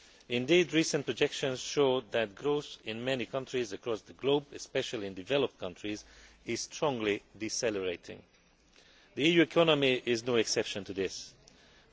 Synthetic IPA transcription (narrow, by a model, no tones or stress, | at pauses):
ɪ̃ndiːdɹiːsə̃npɹɔd͡ʒɛkʃə̃nz̥ʃoʊðæt̚ɡɹoʊθɪ̃nmɛnikʰʌ̃ntɹ̥izəkɹɔsðəɡloʊbɨspɛʃəlˠiɨ̃ndɨvɛləp̚t̚kʰʌ̃ntʰɹiz | ɪz̥stʰɹ̥ɔ̃ŋɡlidisɛləɹeɪtʰɪ̰̃ŋ | ðiijuːɛkʰɔnəmiʔɪznoːɛksɛpʃə̃ntɨðɪs